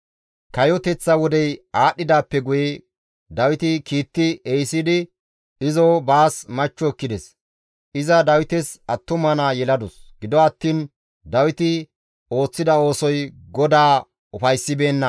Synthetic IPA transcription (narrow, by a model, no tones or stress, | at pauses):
kɐjɔt̪ɛt͡sːɐwɔd̪ɛjaːɗːɪd̪aːpːɛɡʊjɛ | d̪ɐwɪt̪ɪkiːt̪ːɪejsɪd̪ɪ | ɪzobaːsmɐt͡ʃːɔkːɪd̪ɛs | ʔɪzɐd̪ɐwɪt̪ɛsɐt̪ːʊmɐnaːjɛlɐd̪ʊsɡɪd̪ɔɐt̪ːiːn | d̪ɐwɪt̪ɪ | o̞ːt͡sːɪd̪ɐo̞ːsɔj | ɡɔd̪aː | ʊfɐjsːɪbe̞ːnːɐ